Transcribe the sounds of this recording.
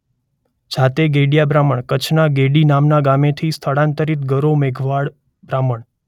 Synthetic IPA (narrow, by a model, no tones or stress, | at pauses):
d͡ʒʱat̪eɡeɽjabɾaməɳkət͡ʃʰnaɡeɽinamnaɡamet̪ʰist̪ʰəɽãnt̪əɾit̪ɡəɾomeɡʱʋaɽ | bɾaməɳ